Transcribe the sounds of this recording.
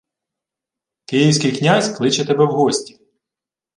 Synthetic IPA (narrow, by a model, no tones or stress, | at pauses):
kɪjiwsʲkɪjknʲasʲklˠɪt͡ʃɛt̪ebɛwɦɔsʲtʲi̥